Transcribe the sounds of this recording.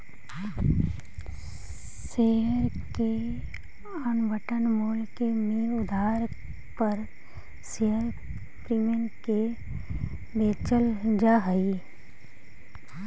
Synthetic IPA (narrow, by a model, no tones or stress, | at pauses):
seɦəɾ | ke | ənʋəʈənmoːlkemiːɾʊd̪ʱaːɾ | pəɾ | seɦəɾ | pɾiːmənke | beːt͡ʃəld͡ʒaɦəi